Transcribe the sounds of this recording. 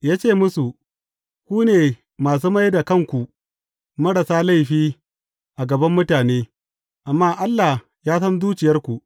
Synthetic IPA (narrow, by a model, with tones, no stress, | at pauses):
jaː˦t͡ʃeː˦˨mʊ˦su˨ | kʷuː˦neː˨ | maː˨s̬uː˦ma˦jda˨kɐ˦˨ŋkʷu˨ʔ | mɐ˦ɽɐ˨saː˦la˦˨jɸiː˦ | ʔa˨ɡɐ˨bɐ˦mːʊ˦taː˨neː˦ | ʔa˨mːaː˦˨ʔa˦lːa˨h | jaː˦sɐ˦nzuː˦t͡ʃɪ˨jɐ˦rkʷu˨ʔ